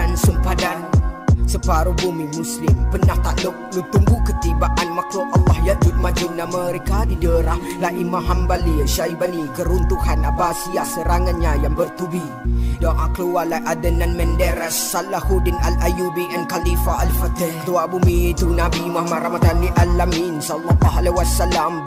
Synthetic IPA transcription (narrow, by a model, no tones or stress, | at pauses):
ansumpadansəpaɾubumimuslɪmpənaht̪aʔluʔ̚lut̪uŋɡukət̪ibaʔanmakloʔɑlːɑhjaʔd͡ʒut̪̚mad͡ʒʊnaməɾɛkadidəɾahlaʔimaɦambaliʃaibanikəɾunt̪uhanabasiasəɾaŋanɲajaŋbərt̪ubi | dɔŋʔakluwalaʔadənanmɛndɛɾasalahudɪnalʔajubiʔɛnkalifaʔalfət̪əht̪uabumit̪unabimahamadɾamat̪aliʔalaminsalːɔlːaɦalewasalam